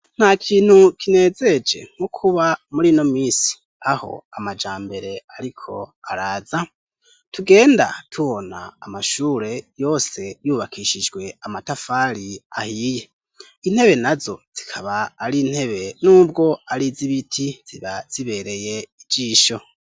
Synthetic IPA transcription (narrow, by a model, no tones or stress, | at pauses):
n̥hakʰiːn̥hukine̞ːze̞d͡ʒe̞̰ŋ̥ukʰuβamuɾino̞mwiːsi̥ | aho̞̰amad͡ʒaːmbe̞ɾe̞aɾikʰo̞̰aɾaːza | tuɡe̞ːnda̰tʰuβo̞na̰ːmaʃuːɾe̞jo̞ːse̞juːβakʰiːʃid͡ʒɡwe̞amatafaːɾia̰hiːje̞ | in̥he̞βe̞nazo̞̰z̥ikʰaβaːɾiːn̥he̞βe̞nuːb̚ɡo̞aɾiziβitʰiz̥iβaz̥iβe̞ɾe̞je̞id͡ʒiːʃo̞